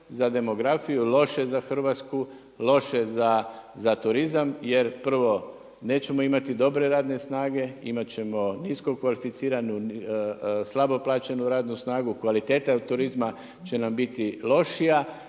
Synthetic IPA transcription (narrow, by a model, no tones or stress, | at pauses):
zad̪e̞mo̞ɡɾafijulˠo̞ʃe̞zaxr̩ʋat̪sku | lo̞ʃe̞zazat̪uɾizamjeɾpr̩ʋo̞ | ne̞ːt͡ɕe̞mo̞imat̪id̪o̞bɾe̞ɾaːd̪ne̞snaːɡe̞ḭmat͡ɕe̞mo̞nisko̞kʋalifit̪siːɾanu | slˠabo̞plˠaːt͡ɕe̞nuɾaːd̪nusnaːɡukʋalit̪e̞ːt̪aut̪ːuɾizma | t͡ɕe̞nambit̪ilˠo̞ʃija